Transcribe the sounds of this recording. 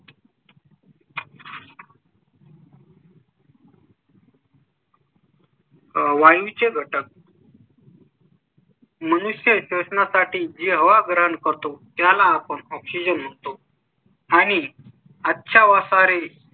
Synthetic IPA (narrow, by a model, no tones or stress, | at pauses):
ʋajut͡ɕeɡʱəʈək̚ | mənuɕjəɕosənasaʈiːd͡ʑeɦəʋaɡɾəɦənkəɾt̪ot̪jalaːpəɳɔpsid͡ʑənɦot̪o | aɽ̃i | atːɕʰaʋasaɾe